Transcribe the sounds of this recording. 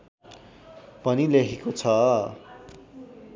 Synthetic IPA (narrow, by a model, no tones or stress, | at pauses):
pʌnilekʰikot͡sʰʌ